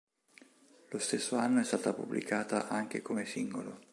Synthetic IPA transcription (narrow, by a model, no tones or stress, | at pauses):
lost̪esːoanːoɛst̪aːt̪apṵblḭkʰaːt̪aʔaŋk̟ekomesiŋɡolo